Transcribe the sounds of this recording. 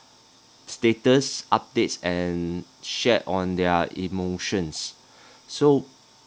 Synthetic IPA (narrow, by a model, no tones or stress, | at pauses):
stetəsʔap̚detsɛ̃nʃɛtɔ̃ndɛəḭmoʃə̃ns | so